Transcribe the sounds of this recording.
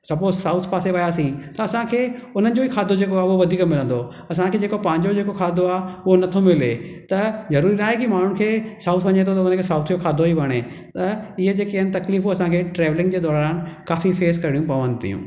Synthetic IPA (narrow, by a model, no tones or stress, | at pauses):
sɐbpoːzsaːʊt̪ʰpaːseʋɐjaːsĩt̪ɐɐsãkʰeːʊn̤ənɪ̆d͡ʑoikʰaːd̪ʱod͡ʑeːkoaːɦʊɦoʋɐd̪ʱiːkmɪlə̃nd̪o | ɐsãkʰeːd͡ʑeːkopɐ̃ːɪ̃ɲd͡ʑod͡ʑeːkokʰaːd̪ʱoaːɦʊɦonɐt̪ʰomɪlet̪ɐzɐɾuːɾinaːɦekimaːn̤ʊɽ̃kʰeːsaːʊt̪ʰʋɐɲet̪ʰot̪ɐʊnənkʰeːsaːʊt̪ʰijokʰaːd̪ʱoɦiʋɐɽ̃e | t̪ɐɪɦəd͡ʑeːkeənɪ̆t̪ɐkliːfɦoɐsãkʰeːʈɾeːʋlɪ̃ŋɡd͡ʑeːd̪ɔːɾaːnkaːfifeːskɐɾɪɽiũpɐʋə̃nd̪t̪ḭjṵ̃ː